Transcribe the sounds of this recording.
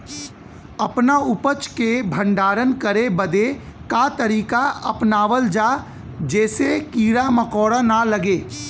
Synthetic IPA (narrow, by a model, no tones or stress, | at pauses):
ɐpnaʊpət͡ʃkebʱə̃ɳɖaːɾənkəɾebəd̪e | kat̪əɾiːkaəpnaːʋəld͡ʒaː | d͡ʒɛːsekiːɾaməkɔːɽanaləɡeː